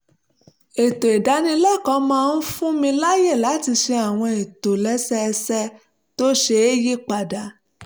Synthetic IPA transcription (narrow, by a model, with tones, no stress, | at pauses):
e˨to˨e˨da˨˦nĩ˧lɛ˦˨kɔ̃˧˦mãː˦˧n̩˦fũ˦mĩ˧la˦je˦˨la˨˦ti˧ʃe˧a˨w̃ɔ̃˧e˨to˨lɛ˦sɛ˦ɛ˧sɛ˦ | to˦ʃe˧e˦ji˦k͡pa˨da˨